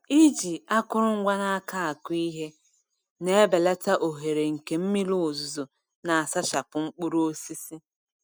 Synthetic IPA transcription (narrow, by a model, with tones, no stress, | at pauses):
i˦d͡ʒi˨a˦kʊ˦ɾʊ˦ŋ̩˦ɡʷa˦na˦a˦ka˦a˨ki˦ɦe˦ | ne˦e˦be˨la˦ta˦ʔo˨ɦe˨ɾe˨ŋ̩˨ke˨m̩˦mi˦lu˦˨zu˨zo˨ | na˨a˨sa˦ʃa˨pʊ˨ŋ͡m̩˦k͡pu˦ɾu˦o˦si˦si˦